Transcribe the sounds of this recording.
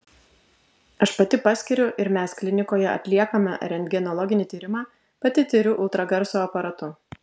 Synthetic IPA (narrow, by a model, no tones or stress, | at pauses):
ɐʃpɐt̪ʲɪpɑsʲkʲɪɾʲʊʔɪɾmʲæsklʲɪnʲɪkoːjɛɐ̰t̪ʲlʲiɛkɐmʲɛ̰ɾʲɛnd̪ʲɡʲɛnɔlˠɔɡʲɪnʲɪˑt̪ʲiːɾʲɪmɑː | pɐt̪ʲɪt̪ʲɪɾʲʊʔʊlˠt̪ɾɐɡɐɾsoːɐpɐɾɐt̪ʊ